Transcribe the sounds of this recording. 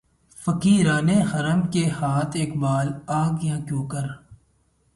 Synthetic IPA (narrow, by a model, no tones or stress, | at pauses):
fəkiːɾaːnexɐɾəmkehaːt̪ʰeːkbaːlaːɡjãːkjõːkəɾ